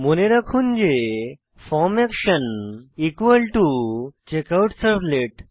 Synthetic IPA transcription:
moneɾakʰũnd͡ʑe | fɔmɛkʃənikəlʈut͡ɕekawʈsəɾpleʈ

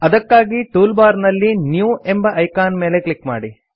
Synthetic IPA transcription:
ɐd̪ɐkːaːɡiʈuːlbaːɾnɐlːinjuːe̞mbɐʔɐjkaːnme̞ːle̞klikma̰ːɽi

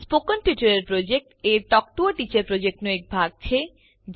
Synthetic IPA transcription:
spokonʈit͡ɕoɾeɾpɾod͡ʑek̚ʈeɾʈɔk̚ʈuaʈit͡ɕeɾpɾod͡ʑek̚ʈnoek̚bʱaɡ̚t͡ɕʰe | d͡ʑ

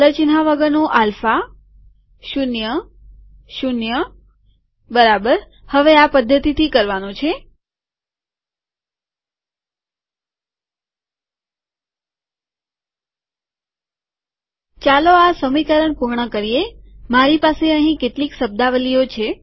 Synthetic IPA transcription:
lət͡ʃin̤aʋəɡənoʔalfa | ʃunjə | ʃunjə | bəɾabəɾ | həʋeapəd̪ʱːət̪it̪ʰikəɾʋanõt͡ʃʰe | t͡ʃaloasəmikəɾəɳpuɾɳəkəɾijemaɾipaseəɦĩkeʈliksəb̚d̪aʋəlijot͡ʃʰe

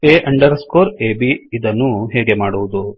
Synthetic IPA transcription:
eːʔɐɳɖɐɾskoːɾeːbiid̪ɐnːuɦɛːɡe̞maːɽuʋud̪u

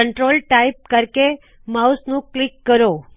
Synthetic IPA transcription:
əɳʈɾolʈaip̚kəɾke | mausnũklikːəɾo

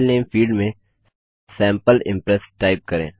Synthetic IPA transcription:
lneːmfiːɖmẽ | sɛ̃ːmpəlɪ̰̃mpɾɛsʈaːɪp̚kɐɾḛ̃ː

